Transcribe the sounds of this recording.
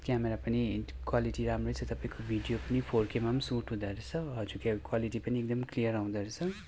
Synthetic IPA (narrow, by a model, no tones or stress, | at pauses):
kameɾapɐnikwaliʈiɾamɾot͡sʰʌt̪ʌpaĩkobʱiɖijopɐnipʰoɾkemamsuːʈɦũd̪aɾet͡sʰʌɦʌd͡zukekwaliʈipɐniek̚d̪ʌmklijəɾaũd̪ʌɾet͡sʰʌ̃